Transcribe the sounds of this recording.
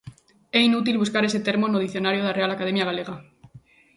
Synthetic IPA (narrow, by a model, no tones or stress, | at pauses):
ɛinut̪̬ilβuskaɾeset̪eɾmonoð̞iθjonaɾjoð̞arealakaðemjaɣ̞aleɣa